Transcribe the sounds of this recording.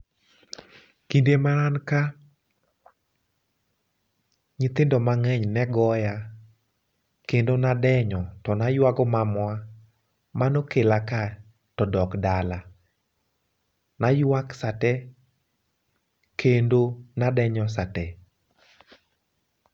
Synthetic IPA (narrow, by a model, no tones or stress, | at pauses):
kindemananka | ɲɪt̪ɪndɔmaŋɛɲnɛɡɔja | kendonadɛɲɔtɔnajwaɡɔmamwa | manokelaka | tɔdɔkdala | najwaksatɛ | kʰendonadɛɲɔsatɛ